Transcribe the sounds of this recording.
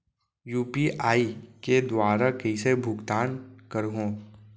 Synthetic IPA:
juːpiʔaːiked̪waːɾakɐisebʱʊɡt̪aːnkəɾɦõ

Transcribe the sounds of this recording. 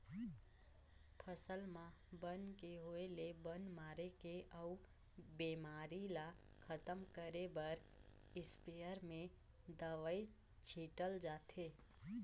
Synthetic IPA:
pʰəsəlmãbənkeɦoelebənmaːɾekeʔəu | biːmaːɾila | kʰət̪əmkəɾebəɾ | ɪspeːəɾmẽ | d̪əʋəi | t͡ʃʰiːʈəld͡ʒaːt̪ʰeː

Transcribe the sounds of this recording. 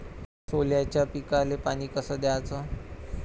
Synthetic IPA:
soljat͡ɕjapikalepañiːkəsəːd̪aat͡sə

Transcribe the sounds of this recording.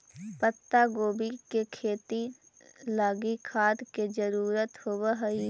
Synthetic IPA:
pət̪ːaɡoːbikekʰeːt̪i | laːɡikʰaːd̪ked͡ʒəɾuːɾət̪hoːwəɦəi

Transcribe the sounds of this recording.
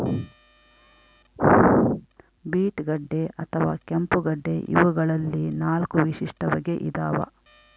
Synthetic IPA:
biːʈɡɐɖːeʔɐt̪ʰɐʋa̰ːkempuɡɐɖːḛʔjṵʋɐɡɐɭɐlːinaːlkuʋiʃiʂʈɐbɐɡeʔid̪aːʋɐ̰

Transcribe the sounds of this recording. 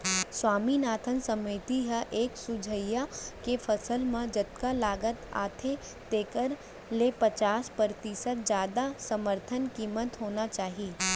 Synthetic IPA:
swaːminaːt̪ʰənsəmiːt̪iɦɛʔeːksʊd͡ʒʱəjakefʰəsəlmẽd͡ʒət̪kalaːɡət̪a̰ːt̪ʰe | t̪eːkəɾ | lepət͡ʃaːspəɾt̪isət̪̚d͡ʒjaːd̪asəməɾt̪ʰənkiːmət̪ɦoːnat͡ʃaːɦi

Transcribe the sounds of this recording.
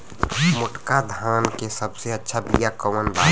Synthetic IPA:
mʊʈkad̪ʱãːnkesəbseɐtːʃʰabijakəmənba̰ː

